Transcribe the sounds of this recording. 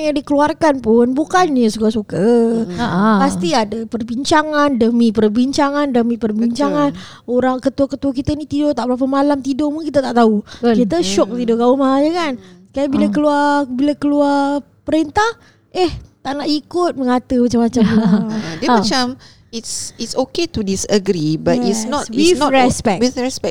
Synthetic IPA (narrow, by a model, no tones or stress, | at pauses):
jaŋdikəluarkanpʊnbukanɲəsukasuka | past̪iadapərbiɲt͡ʃaŋandəmipərbiɲt͡ʃaŋandəmĩpərbiɲt͡ʃaŋan | oɾaŋkət̪uwakət̪uak̬it̪ənit̪idɔt̪aʔbəɾap̬əmalamt̪idɔpʊnkit̪at̪aʔt̪aukit̪əʃɔk̚t̪idɔɡaʊmaaɲəkansə̥kajabilakəluarbilakəluar | pəɾent̪ah | ʔeht̪aʔnaʔikʊt̪̚məŋat̪əmat͡ʃamːat͡ʃamdiəmat͡ʃam | itsitsoketudisəɡɾibatitsnɔtwfnɔɾɛspɛk̚ifɹɛspɛk̚